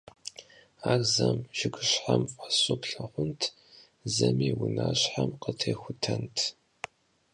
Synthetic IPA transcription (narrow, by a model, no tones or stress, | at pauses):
aːɣzɐmʒɪɡʷɨɕħamfʼasʊpɬɐχʷʊntʰ | zɐmiːwʊnaːɕħamqətʰeːxʷʊtʰɐntʰ